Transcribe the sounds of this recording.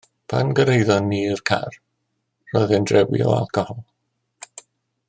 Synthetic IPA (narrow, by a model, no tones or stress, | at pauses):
pʰanɡəɾejðɔnːiːrkʰa̰r | rɔjðɛndrɛwḭo̰a̰lˠkʰɔhɔlˠ